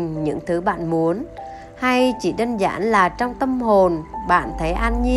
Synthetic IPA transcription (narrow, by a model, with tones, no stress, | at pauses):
ɲɨ̰˧˥ŋt̪ʰɨ˨˦ɓa̰ː˧˨nmu˨˦ən | ha˧jt͡ɕi˧˩ɗə˧nza̰ː˧˥nlaː˨˩t͡ɕɔ˧wŋ͡mt̪ə˧mho˨˩nɓa̰ː˧˨nt̪ʰə˨˦jʔa˧nɲi˧